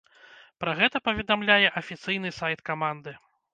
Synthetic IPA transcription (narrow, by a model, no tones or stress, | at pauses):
pɾaɣɛt̪ɐpɐvʲɛd̪amlʲajɛʔɐfʲit̪sɨjnɨsajt̪kamand̪ɨ